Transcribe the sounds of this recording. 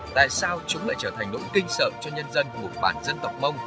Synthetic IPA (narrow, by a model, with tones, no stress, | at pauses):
t̪a̰ː˧˨jsaː˧wt͡ɕʊ˨˦ŋ͡mla̰ː˧˨jt͡ɕəː˧˩t̪ʰŋ̟no̰˧˥jkï˧ŋ̟sə̰ː˧˨t͡ɕɔ˧ɲə˧nzə˧nmu˨˩ət̚ɓa̰ː˧˩nzə˧nt̪ə˨˩wk͡p̚mə˧wŋ͡m